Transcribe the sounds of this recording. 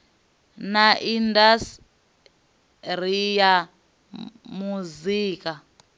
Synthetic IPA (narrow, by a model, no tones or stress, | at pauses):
naʔindas | r̤ija | muziːka